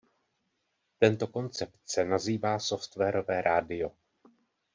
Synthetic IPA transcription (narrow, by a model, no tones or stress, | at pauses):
t̪ɛnt̪o̞ko̞nt͡sɛp̚t̪sɛnaziːvaːso̞ft̪vɛːɾo̞vɛːɾʔaːdɪjo̞